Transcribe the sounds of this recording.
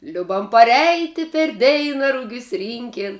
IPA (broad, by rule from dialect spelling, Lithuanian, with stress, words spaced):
ˈlʲʊbɐm pɐˈrʲɛɪtʲɪ pʲɛr ˈdʲɛɪnɐ ˈrʊɡʲʊs ˈrʲiːŋʲkʲeːn